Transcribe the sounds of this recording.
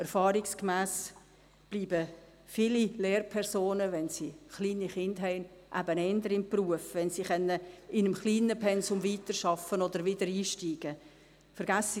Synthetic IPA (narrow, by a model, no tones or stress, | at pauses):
ɛɾfɑːɾikskmæːs | b̥liːbə | fiːlileːrpʰɛɾsoːnəʋɛnsiχliːniχɪndɦɛɪnʔæ̰bənɛnd̪əɾɪmpruəfʋɛnsiχɛnːəɪnəmχliːnəpʰɛnsʊmviːt̪əɾʃɑfənod̪əɾʋɪdəɾiːʃtiːɡ̥ə | fəɾɡæs